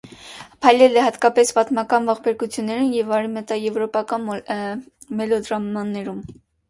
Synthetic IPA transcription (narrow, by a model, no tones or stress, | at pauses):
pʰɑjlɛlɛhɑt̪kɑpɛspɑt̪mɑkɑnvɑχbɛɾkut͡sʰjunːɛɾumjɛvɑɾimɛt̪ɑjɛvɾɔpɑkɑn | mɛlɔd̪ɾɑmɑnːɛɾum